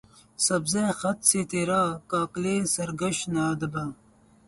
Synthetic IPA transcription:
sɐbzexɐt̪set̪eɾaːkaːklesɐɾɡɐɕnaːd̪ɐbɐ

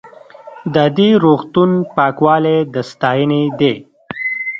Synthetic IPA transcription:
d̪əd̪iɾoɣt̪unpɑːkwɑːled̪əst̪ɑːjəned̪e

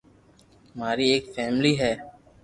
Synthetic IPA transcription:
əmaːɾiːeːkfɛːmliːɦɛː

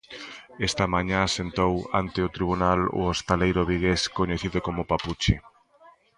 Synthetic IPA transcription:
est̪ɐmaɲãasent̪owa̰nt̪ɪʊt̪ɾiβunalo̰ost̪alejɾoβiɣeskoɲeθiðʊkomʊpaput͡ʃi

